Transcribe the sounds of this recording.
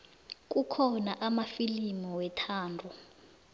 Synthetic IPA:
k̬ʼukʰɔnaʔamafilimɔwɛtʰaːndʱu

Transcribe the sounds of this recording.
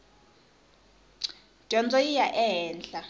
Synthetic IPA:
d̥ʱɔnd͡zʱʼɔjijaʔɛɦɛːnɬʼa

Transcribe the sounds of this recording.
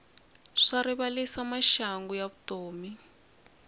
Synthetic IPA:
ʂariβalisamaʃaŋɡujaβutoːmi

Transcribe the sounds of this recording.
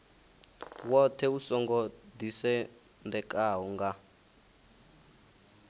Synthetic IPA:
wɔtʰɛusɔŋɡɔdisɛ | ndɛkʼaɦɔŋɡa

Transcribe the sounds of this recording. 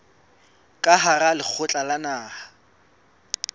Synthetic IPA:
kʼaɦaralɪk͡xʰʊt͡ɬʼalanaːha

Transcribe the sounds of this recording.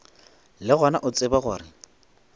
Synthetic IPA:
lɪɣɔnaʔʊt͡sʼɪbaɣʊːɾɪ

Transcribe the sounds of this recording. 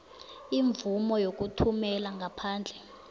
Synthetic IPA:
iɱvumɔjok̬utʰumɛlaŋɡʱapʰaːnd͡ɮʱɛ

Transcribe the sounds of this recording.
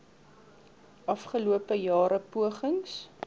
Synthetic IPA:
ʔɐfχəluəpəjɑːɾəpuəχəŋs

